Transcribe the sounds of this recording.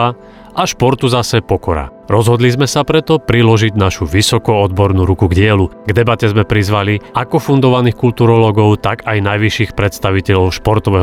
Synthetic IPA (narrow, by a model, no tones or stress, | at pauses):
a | ʔaʃpɔɾt̪uzasɛpɔkɔɾa̰ | ɾɔzɦɔd̪lizmɛsapɾɛt̪ɔpɾilɔʒiɟnaʃuʋisɔkɔɔd̪bɔɾnuɾukuɡɟɪɛluɡd̪ɛbacɛzmɛpɾizʋaliʔakɔfund̪ɔʋaniːxkult̪uːɾɔlɔɡɔʊt̪aɡajnajʋiʃiːxpɾɛt̪st̪aʋicɛʎɔʊʃpɔɾt̪ɔʋɛɦ